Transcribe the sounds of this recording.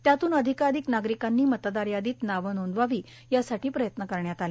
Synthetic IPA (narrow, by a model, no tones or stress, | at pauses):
t̪jat̪uːnəd̪ʱikad̪iknaɡɾikanːiːmət̪d̪aɾjad̪iːt̪naʋənond̪ʋaʋiː | jasaʈiːpɾəjət̪nəkəɾɳjat̪ale